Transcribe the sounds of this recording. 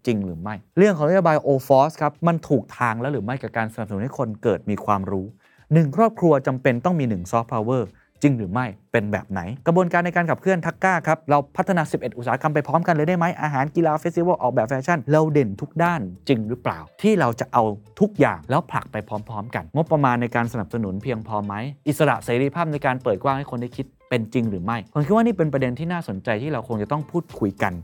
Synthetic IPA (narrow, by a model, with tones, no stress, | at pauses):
t͡ɕi˧ŋɾɯː˩˦ma˥˩jɾɯ˥˩ŋkʰɔː˩˦na˥jo˧baː˧jʔoː˧fɔː˦˥skʰa˦˥p̚ma˧nt̪ʰuː˨˩k̚t̪ʰaː˧ŋlɛː˦˥wɾɯː˩˦ma˥˩jkaː˨˩kaː˧nsa˧n˨˩psa˨˩˦nha˥˩kʰo˧nkɤː˨˩t̪̚miː˧kʰwaː˧mɾuː˦˥ | nɯ˨˩ŋkʰɾɔː˥˩p̚kʰɾu˧ɐt͡ɕa˧mpe˧nt̪ɔ˥˩ŋmiː˧nɯ˨˩ŋsɔː˦˥pʰːa˧wɤː˥˩ | t͡ɕi˧ŋɾɯː˩˦ma˥˩jpe˧nbɛ̰ː˨˩p̚na̰˩˦jkɾa˧bu˧ənkaː˧nːa˧jkaː˧nkʰa˨˩p̚ʰɯ˥˩ənt̪ʰa˦˥kːaː˥˩kʰa˦˥p̚ɾa˧wpʰa˦˥t̪ʰːa˧naː˧si˨˩p̚ʔe˨˩t̪ʔu˨˩saː˨˩˦ka˧mpa˧jpʰɔː˦˥mka˧nlɤː˧jda˥˩jma˦˥jʔaː˧ɦaː˩˦nki˧laː˧fe˦˥t̪̚si˧˦wə˥˩ʔɔː˨˩k̚bɛː˨˩p̚fɛː˧t͡ɕʰa˥˩nɾa˧wde˨˩nt̪ʰu˦˥k̚daː˥˩nt͡ɕi˧ŋɾɯː˦˥pla̰ː˨˩wt̪ʰiː˥˩ɾa˧wt͡ɕa˨˩ʔa˧wt̪ʰu˦˥k̚ja̰ː˨˩ŋlɛː˦˥wpʰla̰˨˩k̚pa˧jpʰɔː˦˥mpʰɔː˦˥mka˧nŋo˦˥pːɾa˧maː˧nːa˧jkaː˧nsa˧na˨˩p̚sa˧nu˩˦npʰi˧əŋpʰɔː˧ma˦˥jʔi˨˩t̪̚sa˧ɾa̰˨˩ʔseː˩˦ɾiː˧pʰaː˥˩p̚na˧jkaː˧npəɤː˨˩t̪̚kwaː˧˩ŋha˥˩jkʰo˧nda˥˩jkʰi˦˥t̪̚pe˧nt͡ɕi˧ŋɾɯː˩˦ma˥˩jkʰo˨˦nkʰi˦˥t̚waː˥niː˥˩pe˧npɾa˧de˧nt̪ʰiː˥naː˥˩so˩˦nt͡ɕa˧jt̪ʰiː˥˩ɾa˧wkʰo˧ŋt͡ɕa˨˩t̪ɔ˥˩ŋpʰuː˥˩t̪̚kʰu˧jka˧n